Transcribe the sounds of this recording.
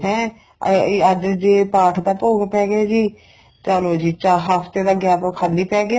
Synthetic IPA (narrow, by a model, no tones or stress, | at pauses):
ɦɛ̃ː | əd͡ʒd͡ʒeːpaːʈʰd̪aːpoːɡepɛːɡaːd͡ʒiː | t͡ʃəloːd͡ʒiːt͡ʃaɦaːfʰt̪eːd̪aːɡɛːpkʰalːiːpɛːɡɪja